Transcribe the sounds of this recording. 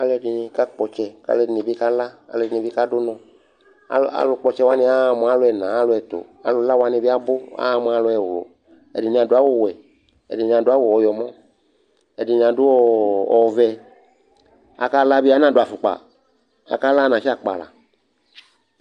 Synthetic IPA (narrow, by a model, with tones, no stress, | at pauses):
a˨lɛ˨dɪ˨ni˧ka˦k͡pɔ˨t͡ʃɛ˧ka̰˦lɛ˧dne˨bi˦ka˦la˦a̰˨ldɪ˨ni˨bi˦ka˦dʊ˦nɔ̃˨ | a̰˨a̰˨lʊ˧k͡pɔ˧t͡ʃɛ˧wa˦nɪ̃˧a˦˨m˨˦a˨˦lʊ˨˧ɛ˨nã˨a˦lʊ˧˦ɛ˨t̪o̰˨a̰˨lʊ˨la˦wa˦nĩ˧bi˦a˦bʊ˦a̰˦˨m˧˦a˧˦lʊ˧ɛ˨wo̰˨ | ɛ̰˨dɪ˨ɲ˧˨ã˨dʊ˦a˦wo˦˨wɛ˨ | ɛ̰˨dɪ˨ɲ˨ã˨da˦wo˨ɔ˨jɔ˨mɔ̃˦ | ɛ˨dɪ˨ɲ˨ã˨dʊ˦ɔ˦ɔ˨vɛ˧ | a̰˨ka˦la˦bi˦a˦nã˨dʊ˦˨a˨fu˨k͡pa̰˨ | a̰˨ka˦la˦nã˨ʃi˦a˦k͡pa̰˨la̰˨